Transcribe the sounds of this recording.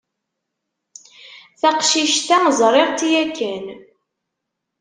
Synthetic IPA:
θæqʃiʃt̪æməzˤɾˤeʁt̪ijækːæn

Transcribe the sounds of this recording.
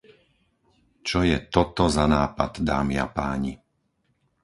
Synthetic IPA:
t͡ʃɔjɛt̪ɔt̪ɔzanaːpad̪d̪aːmia̰paːɲi

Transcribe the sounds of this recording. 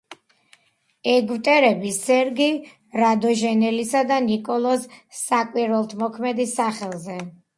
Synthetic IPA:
ɛɡwt̪ʼɛɾɛbisɛɾɡi | ɾad̪ɔʒɛnɛlisad̪anikʼɔlˠɔsːakʼwiɾwɛlˠt̪ʰmɔkʰmɛd̪isaχɛlˠzɛ

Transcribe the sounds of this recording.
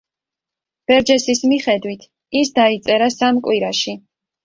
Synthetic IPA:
b̥ɛɾd͡ʒɛsismiχɛd̪wit̪ʰ | isd̪ait̪sʼɛɾasamkʼwiɾaʃi

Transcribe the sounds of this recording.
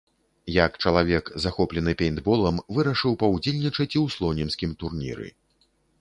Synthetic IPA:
jɐkt͡ʂɐlˠavʲɛkzaxɔplʲɛnɨpʲɛjnd̪bɔlˠɐmvɨɾɐʂɨwpɐwd͡zʲelʲnʲit͡ʂɐt͡sʲiwslˠɔnʲinsʲkʲimt̪urnʲḭɾɨ̰

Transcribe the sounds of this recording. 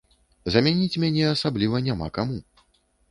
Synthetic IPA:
zɐmʲanʲit͡sʲmʲanʲɛasablʲivɐnʲama̰kamu

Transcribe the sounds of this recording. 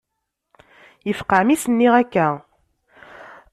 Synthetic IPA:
jəfqaʕmisənːiʁækːæ

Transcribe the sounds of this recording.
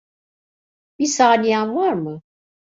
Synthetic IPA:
b̥isaːnijanvaɾmɯ

